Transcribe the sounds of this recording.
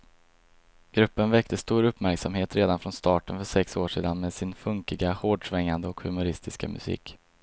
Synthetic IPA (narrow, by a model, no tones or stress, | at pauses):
ɡ̥ɾɵpːənvɛkt̪əst̪uːɾɵpːmæɾksamheːt̪ɾeːd̪anfɾɔnst̪ɑːʈənfœʂɛksoːʂḭːd̪anmeːd̪sɪnfɵŋkɪɡahoːɖʂvɛŋːand̪əɔkhɵmʊɾɪst̪ʰɪska̰mɵ̰sḭːk